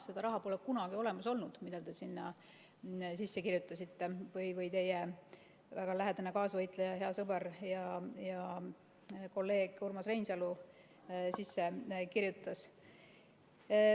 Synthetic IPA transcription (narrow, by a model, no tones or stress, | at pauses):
se̞d̪̥ɑɾɑɦɑpoːlekunɑɡ̥io̞le̞mɑso̞lnud̪̥mid̪̥ɑt̪e̞sinːɑ | s̬isːekirjut̪ːˑɑsit̪ːe̞vɯjvɯjt̪e̞jɛ | væɡ̥ɑlæɦed̪̥ɑnekɑːsvɤjt̪ˑlejɑhe̞ɑsɤbeɾjɑjɑ | ko̞lːe̞ːɡ̥urmɑsrejnsɑlu | sisːe̞kirjut̪ːˑɑs